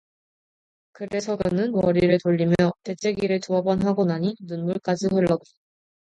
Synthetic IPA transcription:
kɯɾe̞sʰʌɡɯnɯnwʌɾiɾɯɭtoʎːimjʌte̞t͡ɕ͈ʰeɡiɾɯɭt͡ɕoʌbʌnɦaɡonaɲinunmuɭk͈ad͡ʑiɦɯɭːʌɡo

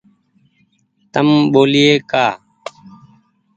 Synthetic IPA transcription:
t̪əmɓoːlɪjeːkaː

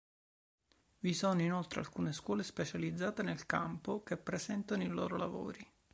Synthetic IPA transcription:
visonoinolt̪ɾḛa̰lkuːneskwɔːlespet͡ʃalid̪zːaːt̪enelkampokepːɾesɛnt̪anoilo̰ːɾolavo̰ːɾi

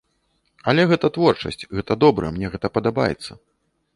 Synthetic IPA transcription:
ɐlʲɛɣɛt̪ɐt̪vɔrt͡ʂɐ̰sʲt͡sʲɣɛt̪ɐd̪ɔbɾɐ̰mnʲɛɣɛt̪ɐpɐd̪aba̰jɛ̰t̪sːɐ

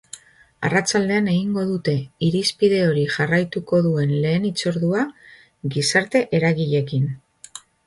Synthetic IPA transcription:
a̰rat͡sald̪e̞ane̞ɣiŋɡo̞ð̞ut̪e̞iɾispið̞e̞o̞ɾiʝarajt̪uko̞ðue̞nle̞ːnit͡so̞ɾðua | ɡisaɾt̪e̞ʔe̞ɾaɣiʎe̞kin

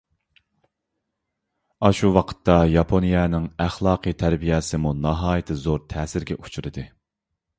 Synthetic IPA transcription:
ɑʃuwɑqʰə̥t̪ʰːɑjɑpʰonijɛnɪŋæχlˠɑːqʰɨt̪ʰæɾbijɛsɪmunɑɦɑːjɨt̪ʰɪzoɾt̪ʰɛːsɪɾɡʲɛ̰ʔu̥t͡ʃʰuɾɨd̪ɨ

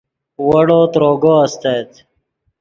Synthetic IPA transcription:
wəɽot̪ɾoːɡoəst̪ejt̪

